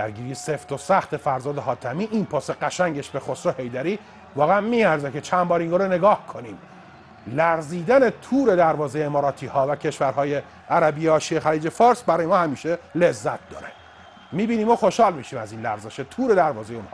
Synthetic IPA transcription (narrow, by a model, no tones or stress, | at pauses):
æɾɡiːɾijeseft̪o̞sæxt̪e̞fæɾzɒːd̪eɦɒːt̪ʰæmiːʔinpʰɒːseɡæʃæŋɟeʃbe̞xosohe̞jd̪æɾiː | vɒːɣeænmiːæɾzeket͡ʃʰæmbɒːɾiŋɡoːɾene̞ɡɒːhkʰoniːm | læɾziːd̪æne̞t̪ʰuːɾe̞d̪æɾvɒːzejeemɒːɾɒːt̪ʰiːhɒːvæcʰe̞ʃvæɾhɒːje | ʔæɾæbiːeɒːʃiexæliːd͡ʒefɒːɾsbæɾɒːjeɒːhæmiːʃelezːæt̪̚d̪ɒ̰ːɾe | miːbiːniːmoxoʃhɒːlmiːʃiːmæziːnlæɾzeʃet̪ʰuːɾe̞d̪æɾvɒːzejeon